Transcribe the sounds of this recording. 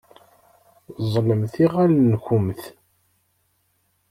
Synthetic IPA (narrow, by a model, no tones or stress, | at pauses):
zˤləmθiʁælnçʊmθ